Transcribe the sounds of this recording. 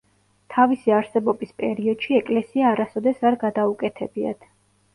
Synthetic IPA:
t̪ʰavisiaɾsɛbɔbispʼɛ̰ɾiɔd̪̥ʃiɛkʼlɛsiaːɾasɔd̪ɛsaɾɡad̪aukʼɛt̪ʰɛbia̰d̪̥ʰ

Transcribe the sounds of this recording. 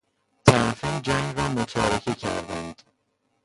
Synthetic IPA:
t̪ʰæɾfiːmd͡ʒæŋɡɾɒːmot̪ʰɒːɾekʰecʰæ̰ɾd̪ænd̪̥

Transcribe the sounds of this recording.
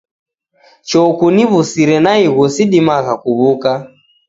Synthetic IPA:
t͡ʃɔkuniβusiɾɛnaiɣusiɗimaɣakuβuka

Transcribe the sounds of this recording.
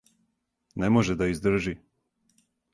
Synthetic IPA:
nɛmoʒɛd̪aizd̪r̩ʒi

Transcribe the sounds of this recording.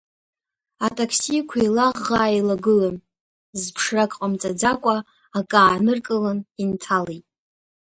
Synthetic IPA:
atʼakʰsikʷʰailaʁːaːjlaɡɨlan | zpʰʂrakʼqʼamt͡sʼad͡zakʷʼa | akʼaːnɨrkʼɨlanintʰalejtʼ

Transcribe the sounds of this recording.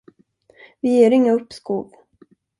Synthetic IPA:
vɪjeːɾɪŋːaɵpːskuːv

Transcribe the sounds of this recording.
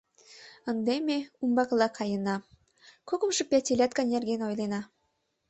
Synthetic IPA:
ə̆nd̪emeumbɑklˠɑkʰɑjə̆nɑ | kokɤ̆mʃɤ̆pæt̪ʲelʲæt̪̚kɑnʲerɡenojlˠenɑ

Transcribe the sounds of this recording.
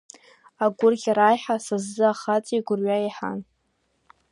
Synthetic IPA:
aɡʷʊrɡʲaɾajħasazːɨaχat͡sʼiɡʷʊrɥaiħa̰n

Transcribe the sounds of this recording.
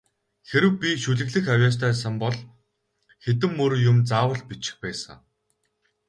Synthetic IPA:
xeɾɘ̆wpʲiʃuɮɘ̆ɣɮɘ̆xawʲjaːst̪ʰæːsə̆mpɔɮ | xet̪̬ɘ̆mːɵɾjʊmt͡saːwə̆ɮpit͡ɕɪ̥̆xpæːsə̰̆ŋ

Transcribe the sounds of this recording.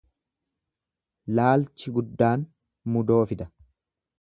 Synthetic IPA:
laːlt͡ʃɪɡʊd̪ːaːn | mʊd̪o̞ːfɪd̪ɐ̥

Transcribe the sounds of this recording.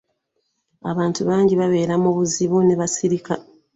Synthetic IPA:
a̰βaːntuβaːɲɟiβaβe̞ːɾamoβuziβuneβasiɾika

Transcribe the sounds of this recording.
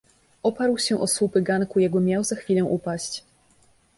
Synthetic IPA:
ʔɔpaɾwɕɛʔɔswupɘɡankujɛɡɔmʲjawzaxfʲilɛ̃ʔupaɕt͡ɕ

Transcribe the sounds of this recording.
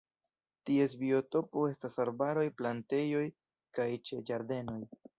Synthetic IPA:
tie̞s̬bio̞to̞po̞e̞stasaɾbaɾo̞jplante̞jo̞j | kajt͡ʃe̞d͡ʒaɾde̞no̞j

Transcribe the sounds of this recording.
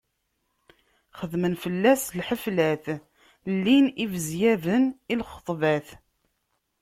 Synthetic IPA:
χəðmənfəlːæslħəflæθ | lːinivəzjævənilχə̥t̪ˤvæθ

